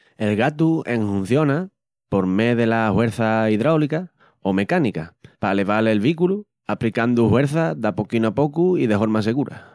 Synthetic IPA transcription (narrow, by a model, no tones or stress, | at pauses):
e̞lɣat̪ue̞ŋhun̟θjo̞na | po̞ɾme̞ðe̞lahwe̞ɾθaiðɾawlika | ome̞kanikapale̞βale̞lβikulu | apɾikand̪uhwe̞ɾθaðapokinapo̞kuiðe̞ɦo̞ɾmas̬e̞ɣuɾa̰